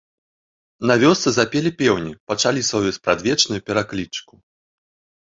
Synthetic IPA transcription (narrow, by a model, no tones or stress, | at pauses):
navʲɔst̪sɨzapʲɛlʲipʲɛwnʲipat͡ʂalʲisvɔwjuspɾad̪vʲɛt͡ʂnujupʲɛɾaklʲit͡ʂku